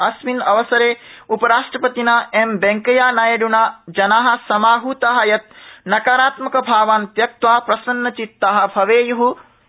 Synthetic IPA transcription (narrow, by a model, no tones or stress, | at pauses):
ɐsminɐʋɐsɐɾeːupɐɾaːʂʈɾɐpɐt̪inaembɐŋkɐjaːnaːjɐɖunaːd͡ʒɐnaːɦɐ̆sɐmaːɦut̪aːɦɐjɐt̪̚nɐkaːɾaːt̪mɐkɐbʱaːʋaːnt̪jɐk̚t̪ʋaːpɾɐsɐnːɐt͡ʃit̪ːaːɦɐ̆bʱɐʋeːjuɦu